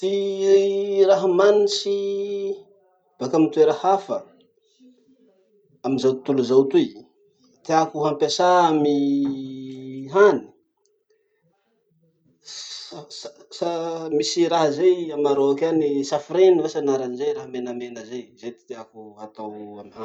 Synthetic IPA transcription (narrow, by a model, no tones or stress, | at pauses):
t̪i | raɦamanisi | b̥akamit̪ueɾahafə | amizawt̪uluzawt̪uj | t̪iakuɦampasaami | ɦani̥ | ssamisiɾaɦzejamaɾoakanisafiɾenivasanaɾanizejɾaɦamenamenəzejzet̪i̥t̪eakuat̪awamiha